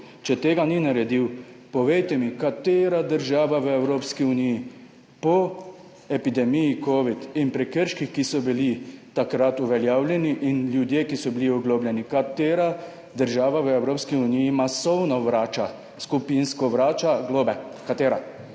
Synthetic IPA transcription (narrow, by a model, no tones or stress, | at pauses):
t͡ʃɛt̪eːɡaninaɾɛd̪iwpɔʋejt̪ɛmikat̪eːɾad̪əɾʒaːʋaʋəɛwɾoːpskiuniji | pɔ | ɛpid̪ɛmijikoːʋit̪inpɾɛkəɾʃkixkisɔbilit̪akɾat̪uʋɛljaːwljɛniʔinlʲjud̪jeːkisɔbiliɔɡloːblʲjɛnikat̪eːɾa | d̪əɾʒaːʋaʋəɛwɾoːpskiunijːmasɔwnɔʋɾaːt͡ʃa | skupinskɔʋɾaːt͡ʃaɡloːbɛkat̪eːɾa